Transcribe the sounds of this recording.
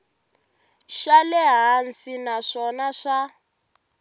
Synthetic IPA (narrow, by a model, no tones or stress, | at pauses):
ʃalɛɦansinaʂɔnaʂa